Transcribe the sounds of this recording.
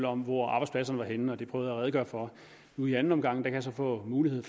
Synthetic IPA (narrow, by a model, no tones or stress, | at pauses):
lɒ̽mʋɒɑ̈b̥ɑ̈ɪspʰæs̬ɐnəʋɑ̈ɦenn̩ɒd̥epʰʁœʊðˠælʁɛːð̩ˠɡ̥ɶːɐfɒ̽ | nuiæn̩ɒ̽mɡ̥ɑ̈ŋ̰d̥æ̈kʰæjɑsɒ̽fɔ̰̽ːmuːlihe̝ð̞̰ˠ